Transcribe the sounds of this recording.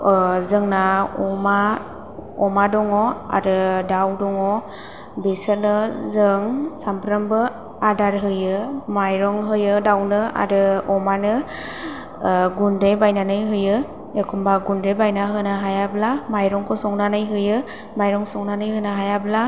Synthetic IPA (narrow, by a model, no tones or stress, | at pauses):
zɯŋnaɔma | ɔmadɔŋɔa̰ɾɯdawdɔŋɔ | besɯnɯzɯŋsampɾəmbɯ | adaɾɦɯjɯmajɾɔŋɦɯjɯdawnɯa̰ɾɯɔmanɯ | ɡunɾebajnanɯjɦɯjɯ | ekʰumbaɡundɾebajnaɦɯnaɦajablamajɾɔŋkʰɔsɔŋnanɯjɦɯjɯ | majɾɔŋsɔŋnanɯjɦɯnaɦajabla